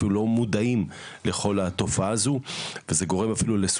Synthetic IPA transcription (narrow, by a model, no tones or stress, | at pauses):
ilulo̞mud̪aimle̞χo̞lat̪o̞faaːzuveze̞ɡo̞ʁe̞mafilules